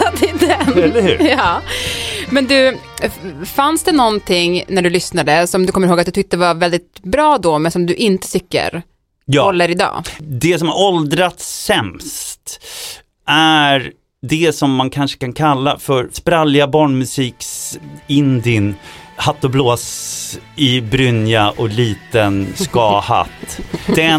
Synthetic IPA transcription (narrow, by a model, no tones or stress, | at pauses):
d̪ɪd̪ɛnɛlːəhʉ̰ːjɑː | mɛnd̪ɵ | fansd̪ɛnɔnt̪ʰɪŋnæɖɵlʏsnad̪əsɔmd̪ɵkʰɔmːəɾhoːɡat̪d̪ɵt̪ʏk̚t̪əvavɛld̪ɪt̪bɾɑːd̪ɔmɛnsɔmd̪ɵʔɪnt̪ə̥t̪ʰʏkːə̰ɾ | jɔlːəɾɪd̪ɑ̰ːd̪ɛsɔmaɾɔld̪ɾat̪ːɛmst̪ | ʔæɾ | d̪ɛsɔmːankʰanʂə̥kankʰalːafœɾspɾaljabɑːɳmɵsiːksɪnd̪ɪnhat̪ːɔbloːs | ɪbɾʏnjaʔɔliːt̪ənskɑːha̰t̪ːd̪̥ɛ